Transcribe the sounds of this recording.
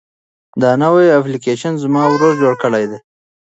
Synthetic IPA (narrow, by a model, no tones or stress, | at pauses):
d̪ɑnawajaplikeʃanzmɑwɾoɾd͡ʒoɽkəɽajd̪e